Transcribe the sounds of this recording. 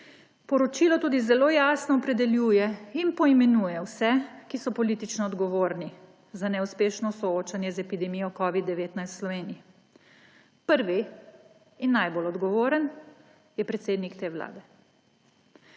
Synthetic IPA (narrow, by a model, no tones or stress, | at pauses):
pɔɾɔt͡ʃiːlɔt̪uːd̪izɛloːjaːsnɔːpɾɛd̪ɛljuːjɛinpɔimɛnuːjɛwsɛkisɔpɔliːt̪it͡ʃnɔːd̪ɡɔʋoːɾni | zanɛuspeːʃnɔsɔoːt͡ʃanjɛzɛpid̪ɛmijɔkɔːʋid̪ːɛʋeːt̪najst̪slɔʋeːnii | pəɾʋi | inːajbolɔd̪ɡɔʋoːɾən | jɛpɾɛt̪seːd̪nikt̪eːwla̰ːd̪ɛ